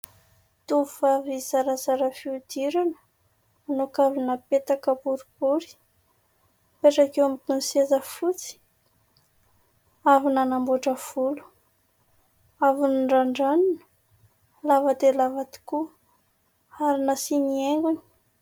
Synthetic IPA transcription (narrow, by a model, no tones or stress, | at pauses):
t̪ufavizaɾazaɾəfiud̪̥iɾanə̥ | anokavinəpet̪akəbuɾubuɾi̥ | peʈ͡ʂakewampunsezəfut͡si̥ | avinanambuʈ͡ʂəfulu̥ | avuniɳɖ͡ʐaɳɖ͡ʐanunə̥ | lavəd̪elavat̪i̥ku | aɾinasinieŋɡuni̥